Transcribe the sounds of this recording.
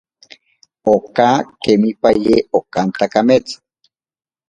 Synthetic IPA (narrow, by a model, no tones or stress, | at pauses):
okakemipajeokant̪akamet͡sḁ